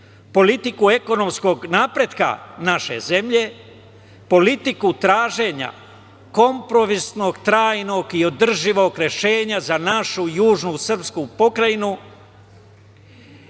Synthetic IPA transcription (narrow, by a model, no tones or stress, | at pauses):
po̞lit̪ikue̞ko̞no̞msko̞ɡnaːpɾe̞d̪ka̰naʃe̞̰ze̞mʎe̞ | po̞lit̪ikut̪ɾaːʒe̞ɲa̰ | ko̞mpɾo̞ʋisno̞ɡt̪ɾaːjno̞ɡio̞d̪r̩ʒiʋo̞ɡɾe̞ʃe̞ːɲazanaʃujuːʒnusr̩pskupo̞kɾainu